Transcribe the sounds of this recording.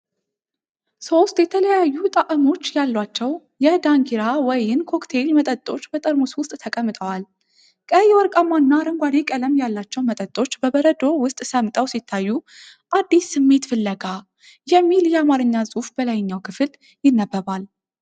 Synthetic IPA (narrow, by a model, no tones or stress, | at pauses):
so̞st̪ʼjɛt̪ʰələjajːut̪ʼaʔʼɨmo̞t͡ʃːjalːwat͡ʃːɛw | jɛd̪aŋɡiɾawɔjɪnkʰo̞kt̪ʰe̞lmət̪ʼət̪ʼo̞t͡ʃːbət̪ʼəɾmuswʊst̪ʼt̪ʰəkʼəmːɨt̪ʼəwal | kʼəjɛwɔɾkʼamanːaɾəŋɡʷad̪ekʼələmjalːat͡ʃːɛwmət̪ʼət̪ʼːo̞t͡ʃːbəbəɾəd̪o̞wʊst̪ʼsəmt̪ʼəwsit̪ʰːajːu | ʔad̪ːisːɨmːe̞t̪fɨlːəɡa | jɛmːiljɛamaɾɨɲːazʼufb̥əlajɪɲːawkʰɨfɨl | jɪnːəbːəβal